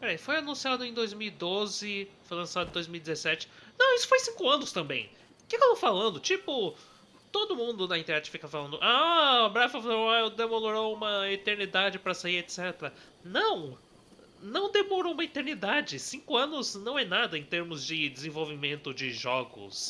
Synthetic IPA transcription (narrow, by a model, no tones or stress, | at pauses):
pɛɾɛjfojanũsiad̪ʊẽj̃d̪ojzmiwid̪ozɪfojlɐ̃sad̪ʊẽd̪ojzmiwid͡ʒɪzesɛt͡ʃɪ̥nɐ̃w̃isʊ̥fojsĩŋkʊɐ̃nʊst̪ɐ̃mbḛ̃j̃ | kɪket̪owfalɐ̃nd̪ʊt͡ʃipʊ | t̪od̪ʊmũnd̪ʊnɐĩt̪eɾɛt͡ʃɪ̥fikɐfalɐ̃nd̪ʊʔabɾɛfafaloaewd̪emoloɾowũmɐet̪eɾnid̪ad͡ʒɪpɾɐsaiet̪sɛt̪ɾɐ | nɐ̃w̃ | nɐ̃w̃d̪emoɾoũmɐet̪eɾnid̪ad͡ʒɪsĩŋkʊɐ̃nʊznɐ̃w̃ɛnad̪ɐẽt̪eɾmʊzd͡ʒɪd͡ʒɪzẽvowvimẽnt̪ʊd͡ʒɪʒɔɡʊ̰s